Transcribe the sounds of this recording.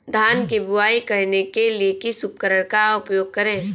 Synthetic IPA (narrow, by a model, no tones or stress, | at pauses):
d̪ʱaːnkebʊaːikɐɾnekeliekisʊp̚kəɾəɽ̃kaʊpjoːɡ̚kɐɾẽː